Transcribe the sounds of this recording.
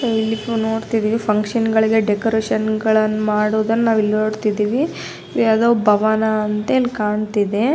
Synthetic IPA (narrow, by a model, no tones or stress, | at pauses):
ilːinoːɽt̪id̪iːʋipʰɐŋkʂɐnɡɐɭiɡe̞ɖekoɾeːʂɐnɡɐɭɐnːumaːɽoːd̪ɐnːɐnaːʋilːno̞ːɽt̪id̪iːʋi | ʋɐd̪oːbʱɐʋanɐːnt̪ɐilːikaːɳt̪id̪e̞